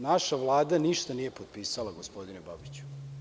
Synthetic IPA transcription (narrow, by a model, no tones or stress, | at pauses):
naʃaʋlˠaːd̪aniʃt̪anije̞pod̪̚piːsalaɡo̞spo̞d̪inebabit͡ɕu̥